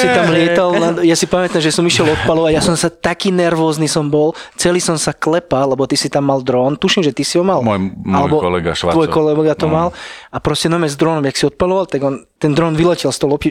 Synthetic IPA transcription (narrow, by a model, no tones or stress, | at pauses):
sit̪amlɪɛt̪alnad̪jasipamɛt̪amʒɛsɔmiʃɪɛlɔt̪̚palɔʋaɟjasɔmsat̪akiːnɛɾʋɔːznisɔmbɔlt͡sɛliːsɔmsaklɛpalɛbɔt̪isit̪amːald̪ɾɔːnt̪uʃimʒɛt̪isiɦɔmalmɔjmalɛbɔɔlɛ̰ɡa̰ʃʋaɔjkɔlɛɡɡat̪ɔmalapɾɔscɛnɔmɛzd̪ɾɔːnɔmjaksiɔt̪̚palɔʋalt̪aɡɔnt̪ɛnd̪ɾɔːnʋilɛcɛlst̪ɔlɔpi